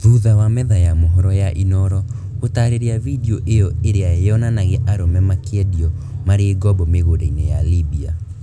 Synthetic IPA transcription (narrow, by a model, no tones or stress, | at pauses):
ðuðawamɛðajamoɦɔɾɔjaʔinɔɾɔ | otaɾeɾeavideɔʔejɔeɾeaeɔnanaɣeʔaɾomɛmakeɛdiɔ | maɾeːɡɔbɔmeɣodainejalibia